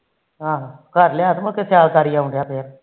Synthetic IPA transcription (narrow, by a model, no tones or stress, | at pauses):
ɦãːɦãːkəɾlejaːt̪məkesʰjaːlkaːɾijaːʊ̃ɳɖjaːpʰeːɾ